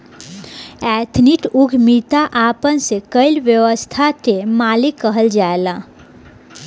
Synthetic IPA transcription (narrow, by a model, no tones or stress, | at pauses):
ɛːt̪ʰniʈuɡʱmit̪aʔaːpənsekəɪlʋjəwəst̪ʰat̪emaːlikːəɦəld͡ʒaela